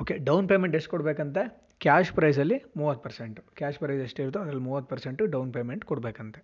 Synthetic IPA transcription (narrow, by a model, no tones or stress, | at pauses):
oːkeɖɐwnpe̞ːmeɳʈesʈkɔɽbeːkɐnt̪e | kjaːʃpɾɐjzɐlːimuːʋɐt̪̚ːpɐɾseɳʈukaːʃpɾɐjzeʂʈeiɾd̪oːɐd̪ɾɐlːmuːʋɐt̪ːpɐɾseɳʈuɖɐwnpeːmeɳʈkɔɽbeːkɐnt̪e